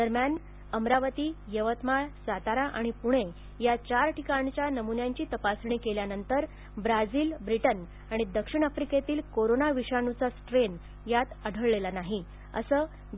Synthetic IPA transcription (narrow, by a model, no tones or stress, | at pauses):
d̪əɾmjan | əmɾaʋət̪iːjəʋət̪maɭsat̪aɾaʔaɽ̃ipuɽ̃e | jat͡ɕaɾʈikaɳt͡ɕjanəmunjaɲt͡ɕiːt̪əpasɳ̃ikeljanənt̪əɾ | bɾad͡ziːlbɾiʈən | aɽ̃id̪əkʂiɳ̃əfɾiket̪iːlkoɾonaʋiɕaɳut͡sasʈɾen | jat̪əɽʱəɭːelanaɦi | ə̰səː